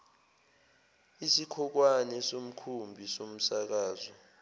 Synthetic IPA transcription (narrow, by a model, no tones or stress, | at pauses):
isikʰɔk̬wanɛsom̩kʰumbʱisom̩sak̬aːzɔ